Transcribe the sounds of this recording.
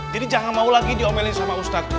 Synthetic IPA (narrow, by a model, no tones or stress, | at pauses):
d͡ʒadid͡ʒaŋanmaulaɡidiomɛlɪsamaust̪at̪̚